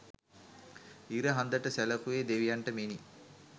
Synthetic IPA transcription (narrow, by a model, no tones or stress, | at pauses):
iɾəɦand̪əʈəsæləkuʋeːd̪eʋijɐɳʈəmeni